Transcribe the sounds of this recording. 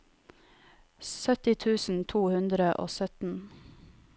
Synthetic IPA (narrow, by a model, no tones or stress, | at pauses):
sœt̪ɪt̪ʰʉːsn̩t̪ʰuːhʉnd̪ɾəʔo̰ːsœt̪n̩